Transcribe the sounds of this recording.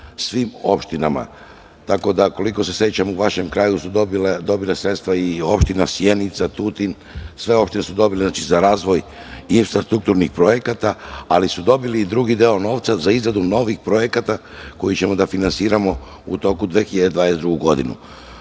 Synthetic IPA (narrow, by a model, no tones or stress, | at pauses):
sʋimo̞̰pʃt̪inama̰ | t̪ako̞d̪ako̞liko̞se̞sje̞t͡ɕamuʋaʃe̞mkɾaːjusud̪ld̪o̞bilesɾe̞t̪st̪ʋaio̞pʃt̪inasje̞nit̪sat̪ut̪in | sʋe̞o̞pʃt̪ine̞sud̪o̞bileznat͡ʃizaɾaːzʋo̞j | infɾast̪ɾuk̚t̪uɾnixpɾo̞je̞kat̪aalisud̪o̞biliːd̪ɾuɡid̪eo̞no̞ːʋt̪sazaizɾad̪uno̞ʋixpɾo̞je̞kat̪a | ko̞jit͡ɕe̞mo̞d̪afinansiːɾamo̞ | ut̪o̞kud̪ʋexiʎad̪ed̪ʋaːd̪ezd̪ɾuɡuɡo̞d̪inṵ